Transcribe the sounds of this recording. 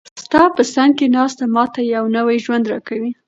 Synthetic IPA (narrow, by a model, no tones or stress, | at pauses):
st̪ɑpəsaŋɡ̚kenɑst̪amɑt̪ajawnəwajʒwand̪ɾɑkawi